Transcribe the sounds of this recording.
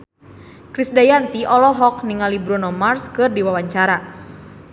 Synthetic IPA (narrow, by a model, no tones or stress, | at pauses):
kɾisdajant̪iʔɔlɔɦɔk̚niŋalibɾɔnɔmarskɨrdiwawaɲt͡ʃaɾa